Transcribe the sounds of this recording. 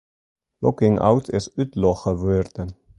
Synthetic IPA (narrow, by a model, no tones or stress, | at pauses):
lɔkɪŋa̰wtʰɪsytlɔχəvøɾd̪̥ə